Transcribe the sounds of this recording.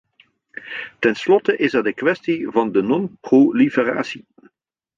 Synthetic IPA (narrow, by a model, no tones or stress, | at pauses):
tɛnslɔtəʔɪsɛɹdəkʋɛstivɑndənɔnprolifəra̰ːsi